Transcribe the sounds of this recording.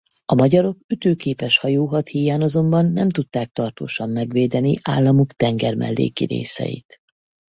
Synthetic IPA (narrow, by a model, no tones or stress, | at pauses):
ɒmɒɟɒɾo̞kyt̪øːkeːpɛʃhɒjoːɦɒt̪hijaːnɒzo̞mbɒnːɛmt̪ut̪ːaːk̚t̪ɒrt̪o̰ːʃɒmːɛɡʋeːd̪ɛniʔa̰ːlːɒmukt̪ɛŋɡɛrmʔɛ̰lːḛːkiɾḛːsɛ̰jḭt̪